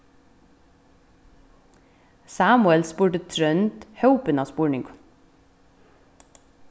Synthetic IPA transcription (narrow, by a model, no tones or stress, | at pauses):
sɑːmʊɛlspuːʈət̪ʰɾœnt̪hœʊpənɑːspuːɹɳɪŋɡ